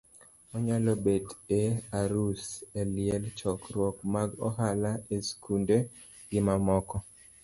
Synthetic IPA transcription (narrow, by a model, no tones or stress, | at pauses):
ɔɲalɔbedeaɾuselɪɛlt͡ʃɔkɾwɔkmaɡɔɦalaeskunde | ɡɪmamɔkɔ